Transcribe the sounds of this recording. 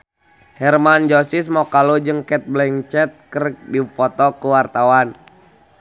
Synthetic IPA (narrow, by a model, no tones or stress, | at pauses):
hɛrmand͡ʒɔsismɔkalud͡ʒɨŋkɛt̪̚blɛŋt͡ʃɛt̪̚kərk̚difɔt̪ɔkuwart̪awan